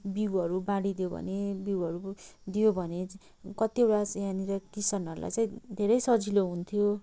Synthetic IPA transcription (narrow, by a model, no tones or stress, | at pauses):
biwʌɾubãɽid̪ijobʱʌ̰nebiwʌɾud̪ijobʱʌne | kʌt̪iewʈasjãniɾʌkisʌnʌɾulʔa̰jt͡saĩd̪ʱeɾʌjsʌd͡zʱiloɦunt̪ʰijo